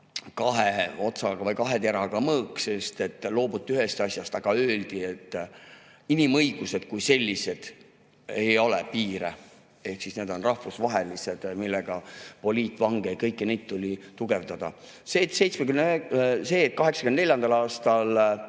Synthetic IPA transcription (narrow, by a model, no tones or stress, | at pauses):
kɑɦeo̞t̪sɑɡɑvɤjkɑɦe̞t̪eɾɑɡ̥ɑmɤːkːse̞st̪e̞t̪ːˑlo̞ːbut̪ːˑyɦe̞st̪ɑsjɑst̪ɑɡ̥ɑøːld̪iet̪ːˑ | inimɤjɡ̥use̞d̪̥kujse̞lʲːise̞d̪̥ | e̞jo̞lepiːɾḛ | e̞hksisneːd̪o̞nrɑhvusvɑɦe̞lise̞d̪̥milːeɡ̥ɑpo̞lʲiːt̪ːˑvɑŋɡ̥ejkɤjkːineːd̪̚t̪ːulʲit̪uɡe̞vd̪̥ɑd̪̥ɑ | sese̞jt̪smekynːse̞ːt̪̚kɑɦe̞ksɑkynd̪ne̞lʲjɑnd̪̥ɑlɑːst̪ɑl